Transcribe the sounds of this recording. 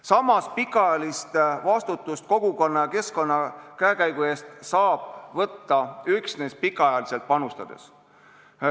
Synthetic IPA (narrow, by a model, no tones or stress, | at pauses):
sɑmɑspikːˑɑjɑlist̪vɑst̪ut̪ːˑust̪̚ko̞ɡ̥uko̞nːɑjɑke̞sko̞nːɑkæekæjɡ̥ue̞ːst̪sɑːb̥vɤt̪ːɑyksnespikːˑɑɑjɑlise̞lt̪̚pɑnust̪ɑd̪̥e̞̰s